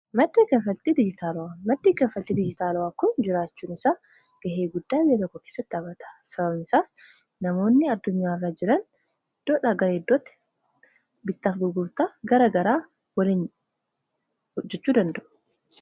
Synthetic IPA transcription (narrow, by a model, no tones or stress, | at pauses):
mɐd̪ːiːkɐfɐt̪ːiːd̪ɪd͡ʒɪt̪ʰaːlwamɐd̪ːiːkɐfɐt̪ːiːd̪ɪd͡ʒɪt̪aːlwaːkʊnd͡ʒɪɾaːt͡ʃːuːnɪsaː | ɡ̥ɐɦe̞ːɡʊd̪ːaːbɪɐt̪ɔkːɔkeːsːɐt̪ːɪɐːbɐt̪ɐ̥sɐbɐβnɪsaːf | nɐmo̞ːnːɪɐd̪ːʊɲːaːɪrːaːd͡ʒɪɾɐn | d̪̥oᶑaːɡɐɾɐɛd̪ːɔːt̪ːɛ̥ | bɪt̪ːɐfɡ̪ʊɡʊɾt̪aːɡɐɾɐɡɐɾaː | wɐlin | ɔd͡ʒːɛt͡ʃːuːd̪ɐnd̪ɐʔʊ̥